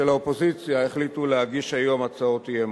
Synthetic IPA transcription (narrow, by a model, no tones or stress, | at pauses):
elaopo̞zit͡sjaeχlituleɦaɡiʃajo̞mat͡sao̞tijem